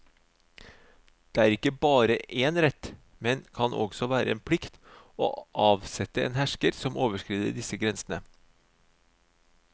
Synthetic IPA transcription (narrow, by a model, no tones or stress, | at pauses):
d̪̥eːæːɾɪkːəbɑːɾəʔeːnɾɛt̪ː | mɛnkʰɑnʔɔ̰ɡsɔʋæːɾəeːnpʰɽɪkt̪ | o̰ːʔɑːʋsɛt̪əḛːnhæʂkəɾsɔmʔoːʋəʂkɾiːd̪ə̰ɖ̪ɪsəɡɾɛnsnə